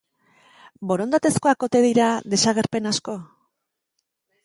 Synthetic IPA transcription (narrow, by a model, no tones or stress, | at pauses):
bo̞ɾo̞nd̪at̪e̞sko̞ako̞t̪e̞ðiɾaðe̞saɣe̞ɾpe̞nasko̞